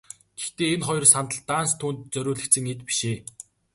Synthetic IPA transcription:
ɡ̥ext̪eːenχɔjɞ̆rsant̪ə̆ɮt̪aːnst̪ʰːuːnt̪̚t͡sœɾʲʊːɮɘ̆k̪t͡sɘ̆ŋet̪pi̥ʃeː

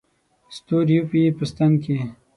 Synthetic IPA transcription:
st̪uɾjupipəst̪anke

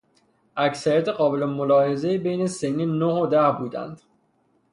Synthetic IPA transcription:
ʔæcsæɾijæt̪ʰeɢɒːbe̞lemolɒːhe̞ze̞jibejnesenːiːnohod̪æhbuːd̪æ̰nd̪̥

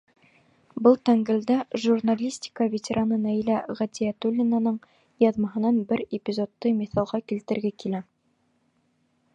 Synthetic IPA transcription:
bɤlˠt̪æŋɡɘ̆ld̪æʒurnalʲisʲt̪ʲɪ̥kəvʲet̪ʲeɾʔanɤnæilæʁæt̪ʲiæt̪ulʲːɪnanɤɴ | jɑðmɑɦɤ̆nɑnbɘɾepʲɪzot̪ːɤmiθɑlˠʁɑkilt̪ɘ̆ɾɡækilæ

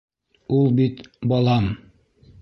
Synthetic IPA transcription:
ulˠbit̪bɑlˠɑm

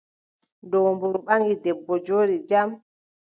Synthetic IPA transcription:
dɔmbuɾɔɓaŋɡidɛbːɔd͡ʒoːɾid͡ʒam

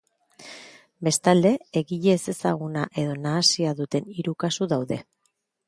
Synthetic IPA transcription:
be̞st̪ald̪e̞eɣiʎe̞se̞saɣunaʔe̞ðo̞naːsiaðut̪e̞niɾukasuðawðe̞

